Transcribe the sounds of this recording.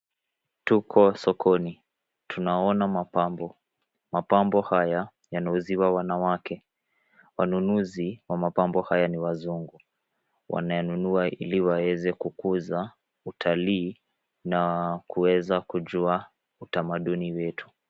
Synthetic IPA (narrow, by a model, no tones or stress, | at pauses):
tukʰɔsɔkʰɔni | tunaɔnamapambɔ | mapambɔhaja | janauziwawanawakɛ | wanunuziwamapambɔhajaniwazuŋɡu | wʔa̰najanunuaʔḭliwawɛzɛkukuza | utʰaliː | nakuwɛzakuʄua | utamaɗuniwɛtʰu̥